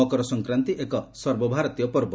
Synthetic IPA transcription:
ɔkɔɾɔsɔŋkɾant̪iʔekɔsɔɾbɔbʱaɾɔt̪ijɔpɔɾbɔ

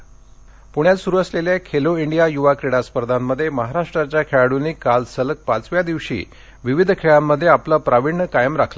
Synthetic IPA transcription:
puɽjat͡ssuɾuəsleljakʰeloiɳɖijajuʋakɾeɽaspəɾd̪ʱamːəd̪ʱːjeməɦaɾaʂʈɾat͡ɕjakʰeɭaɽuniːkalsələk̚pat͡sʋjad̪iʋɕḭː | ʋiʋid̪ʱkʰeɭamːəd̪ʱːjeaplapɾaʋiɳːəkajəmɾakʰla

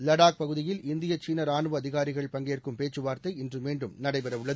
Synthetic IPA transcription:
lɐɽaːk̚pɐɣɯðɪjɪlɪnd̪ɪjɐt͡ʃiːnɐɾaːɳɯʋɐɐðɪɣaːɾɪɣɐɭpɐŋɡejɐrkɯmpeːt͡ʃːɯʋaːɾt̪ɐɪɪndrɯmeːɳɖɯmnɐɽɐɪpɛɾɐʋɯɭːɐð

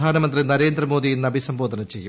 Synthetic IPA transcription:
aːnɐmɐnd̪rinɐɾe̞ːnd̪rɐmoːd̪ijinnɐbʱisɐmboːd̪ʱɐnɐmt͡ɕe̞jːu

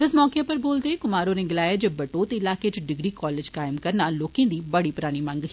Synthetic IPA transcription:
ɪsmɔːkjẽːpəɾboːld̪eːkʊmaːɾõːneːɡɪlaːjaːd͡ʒebəʈoːt̪eːɪlaːkeːt͡ʃɪɖɪɡɾiːkɔːleːd͡ʒkaːɪmkəɾnaːloːkẽːd̪iːbəɽiːpɾaːɽ̃iːmə̃ŋɡ

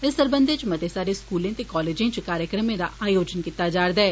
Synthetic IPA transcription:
ɪsd̪əɾbə̃nd̪ʱet͡ʃmɐd̪esaːɾeskuːlẽt̪ekɔːleːd͡ʒẽt͡ʃkaːɾjəkɾəmẽd̪aaːjoːd͡ʒənkit̪aːd͡ʒaːɾd̪ɛː

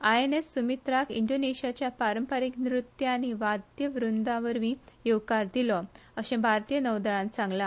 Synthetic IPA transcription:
aenesːumit̪ɾakḭɳɖoneɕijat͡ɕjapaɾəmpəɾiknɾut̪jañiʋad̪jəʋɾund̪ãʋəɾmiːjewkaɾd̪ilɔ | əɕẽbʱaɾt̪ijənəwd̪aɭãnt͡sãŋɡla

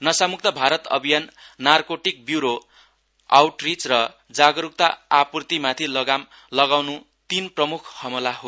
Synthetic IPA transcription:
nʌsamuk̚t̪ʌbʱaɾʌt̪ʌ̰bʱijanːarkoʈik̚bjuɾo | awʈrit͡srʌ | d͡zaɡʌɾuk̚t̪aapurt̪imãt̪ʰilʌɡam | lʌɡawnu | t̪inprʌmukʰhʌmulaɦo

